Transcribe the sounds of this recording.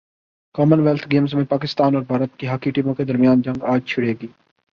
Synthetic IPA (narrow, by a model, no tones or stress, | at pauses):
kɔːmənʋɛːlt̪ʰɡeːmzmẽpaːkɪst̪aːnɔːɾbʱaːɾət̪̚kiɦaːkiʈiːmõked̪əɾmɪjaːnd͡ʒə̃ŋɡaːd͡ʒt͡ʃʰʊɽeːɡiː